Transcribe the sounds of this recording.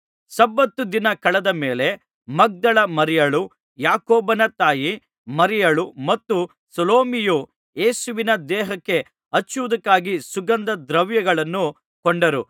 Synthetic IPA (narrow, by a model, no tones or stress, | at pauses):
sɐbːɐt̪ːud̪inɐkɐɭɐd̪ɐmeːle̞ | mɐɡ̚d̪ɐɭɐmɐɾijɐɭu | jaːkoːbɐnɐt̪aːji | mɐɾijɐɭumɐt̪ːu | sɐloːmiju | eːsuʋinɐd̪ɛːɦɐkːe̞ | ɐt͡ʃːuʋud̪ɐkːaːɡisuɡɐnd̪ɐd̪ɾɐʋjɐɡɐɭɐnːu | koɳɖɐɾu